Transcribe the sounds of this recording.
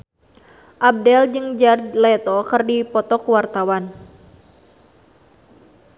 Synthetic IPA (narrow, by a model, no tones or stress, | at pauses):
ʔab̚dɛld͡ʒɨŋd͡ʒarlɛt̪ɔkɨrdipɔt̪ɔkuwart̪awan